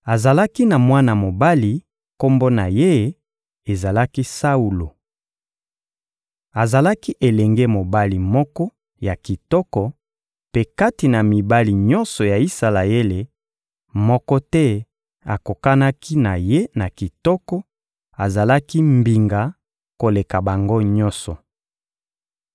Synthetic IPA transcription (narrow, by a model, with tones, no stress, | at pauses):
a˨za˨la˦ki˦na˨mwa˦na˨mo˨ba˦li˨ | ko˦mbo˦na˨je˦ | e˨za˨la˦ki˦sa˦u˨lo˨ | a˨za˨la˦ki˦ʔe˨lɛ˨ŋɡe˦mo˨ba˦li˨mɔ˦kɔ˦ | ja˨ki˨tɔ˦kɔ˨ | pe˦ka˦ti˨na˨mi˨ba˦li˨ɲɔ˦nsɔ˨ja˨i˦sa˨la˨e˦le˨ | mɔ˦kɔ˦tɛ˦ | a̰˨ko˨ka˦na˦ki˦na˨je˦na˨ki˨tɔ˦kɔ˦ | a˨za˨la˦ki˦mbi˨ŋɡa˨ | ko˨le˨ka˨ba˨ŋɡo˦ɲɔ̃˦nsɔ˨